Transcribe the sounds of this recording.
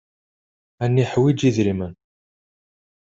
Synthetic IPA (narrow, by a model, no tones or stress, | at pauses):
ænːiħwid͡ʒiðɾimən